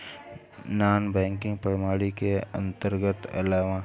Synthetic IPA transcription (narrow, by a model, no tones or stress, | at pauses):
naːnbɛ̃ːŋkɪ̃ŋɡpəɾmaːɽikeə̰̃nt̪əɾɡət̪ɐ̰laːʋã